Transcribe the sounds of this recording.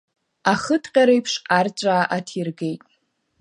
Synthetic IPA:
aχədʰqʲʼaɾejpʰʂart͡ʃʷʼaːʔatʰirɡe̞jtʼ

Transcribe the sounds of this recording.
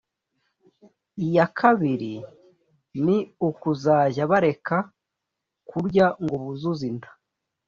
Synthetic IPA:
ijakʰaβiɾi | niukuzaːʒaβaɾe̞ka | kʰuɾɟaŋɡoβuzuzindḁ

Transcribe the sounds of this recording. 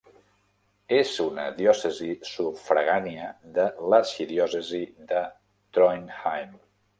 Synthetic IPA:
ezunə̰ðjɔsəzisufɾə̰ɣaniəðələsiðiɔsəziðə | t̪ɾɔjnhajm

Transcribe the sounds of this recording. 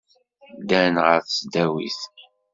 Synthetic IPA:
d̪ænʁəɾθt͡sd̪æwḭθ

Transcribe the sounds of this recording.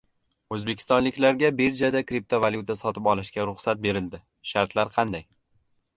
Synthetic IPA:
ɵzbekʲʰɪ̥st̪ɒnlɪkʲlaɾɡʲabeɾd͡ʒad̪akɾip̚t̪ʰovalˠjut̪ʰasɒt̪ʰɪpɒlˠɪʃkʲaɾʊχsat̪̚be̞ɾɪld̪ɪ | ʃaɾt̪ʰlaɾqʰɑnd̪aj

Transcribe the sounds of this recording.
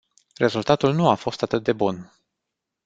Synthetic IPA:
re̞zult̪at̪ulnuafo̞st̪at̪ɨt̪̚d̪e̞bun

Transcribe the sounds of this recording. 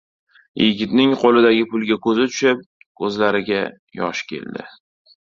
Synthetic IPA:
jɪ̰ɡʲɪt̪nɪŋqʰolɪd̪aɡʲɪpʊlˠɡʲakʰɵzɪt̪ʰʊ̥ʃɪp̚ | kɵzlaɾɪɡʲa | jɒ̰ʃkʲʰe̞̰ld̪ɪ̰

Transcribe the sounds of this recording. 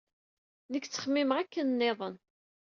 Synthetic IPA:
nəkːt͡sːə̥χmːɪmʁækːənnːeðˤən

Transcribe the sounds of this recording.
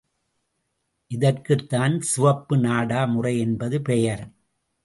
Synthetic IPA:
ʔɪðɐrkɯt̪ːaːnsʊʋɐpːɯnaːɽaːmʊrɐɪɛnbɐðɯpeːjɐɾɐm

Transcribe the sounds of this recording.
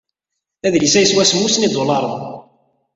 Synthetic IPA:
æðlisæjəswæsmːusnid̪olɑɾˤəð

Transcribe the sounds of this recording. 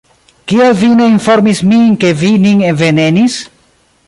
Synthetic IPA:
kielvine̞info̞ɾmismike̞viniŋevenenis

